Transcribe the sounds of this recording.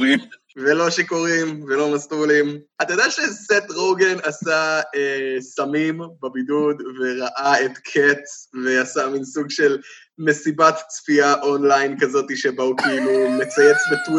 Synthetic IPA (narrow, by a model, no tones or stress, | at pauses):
velo̞ʃeko̞ʁimvelo̞mastulimat̪ajodaʃeset̪ʁoɡenasaesamimbabidud̪ve̞ʁaʔae̞t̪kʰetveasaminsuɡʃe̞l | me̞sibat̪t͡sfiaʔo̞nlajnkazo̞t̪iʃebaukiilume̞t͡saje̞t͡sbet̪u